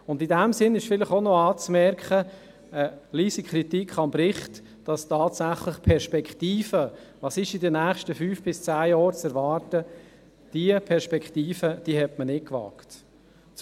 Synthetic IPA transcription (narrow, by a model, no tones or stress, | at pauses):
ʊndidæmsɪnɪʃfɪlɪχonɔɑːt͡smɛɾkχə | əliːsikʰχɾitikʰχɑmb̥ɾɪχt | d̥ɑstɑːtsæχləχpʰɛɾʃpɛkχtiːfəʋɑːsɪʃɪdənæːχʃtəfyːfb̥ɪst͡sæːjɔːɾt͡sɛɾʋɑːɾtə | d̥iəpʰɛɾʃpɛkχtiːfəd̥ihɛtmənɪkʋɑ̰ːkt